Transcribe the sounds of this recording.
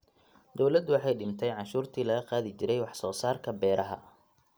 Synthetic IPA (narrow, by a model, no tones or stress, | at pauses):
d̪ɔwlɐd̪ʊwɑħɑjɖɪmt̪ʰɛjʕɑnʃuːrt̪ʰiːlɐɣɐqɑaːðɪt͡ʃɪɾɛjwɑħsɔːsaːrkʰɐbɛːɾɐɦɐ̰